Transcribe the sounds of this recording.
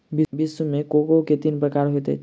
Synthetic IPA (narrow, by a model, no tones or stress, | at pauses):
bɪbɪsumẽkoɡoket̪inpɾəkaːɾɦot̪ḛ